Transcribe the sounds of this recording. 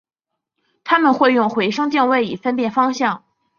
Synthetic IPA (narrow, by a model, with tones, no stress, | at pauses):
t̪ʰa˥mə˨nxwe˥˧ɪjʊ˥˩ŋxwe˧˥ɪʂɤ˥ŋt̪jɛ˥˧nwe˥˩ɪi˨˩fə˥npjɛ˥˩nfɑ˥ŋɕjɑ˥˩ŋ